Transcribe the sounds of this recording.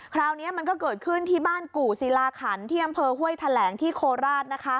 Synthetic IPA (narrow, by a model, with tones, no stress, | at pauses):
kʰɾaː˧wni˦˥ɐma˧nkɔː˥˩kɤː˨˩t̪̚kʰɯ˥˩nt̪ʰiː˥˩baː˥˩nkuː˨˩si˨˩˦laː˧kʰa˩˦nt̪ʰiː˥˩ʔa˧mpʰɤː˧hu˥˩əjt̪ʰa˧lɛː˩˦ŋt̪ʰiː˥˩kʰoː˧ɾaː˥˩t̪̚na˦˥kʰa˦˥